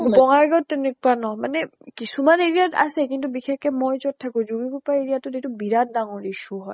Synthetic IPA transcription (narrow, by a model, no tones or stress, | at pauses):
bɔŋaɹɡɔtːenek̚uanɔmanɛkisumaneɹiata̰sɛkintubixɛkɛmɔjzɔt̚tʰːakũzuɡikupaeɹiatʊtetubiɹat̚daŋoɹiʃuɦɔ̰j